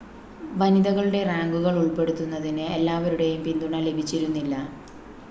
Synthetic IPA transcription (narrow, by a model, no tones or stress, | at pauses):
ʋɐniðɐɣɐɭɨɽe̞raːŋɡuɣɐɭuɭpe̞ɽut̪ːunːɐðinɨelːaːʋɐɾuɽe̞jumpind̪uɳɐle̞bʱit͡ɕːiɾunːilːɐ